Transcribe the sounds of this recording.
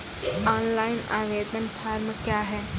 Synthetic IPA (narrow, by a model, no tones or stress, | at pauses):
aːnlaːɪna̰ːʋeːd̪ənpʰaːɾmkjaːɦɛː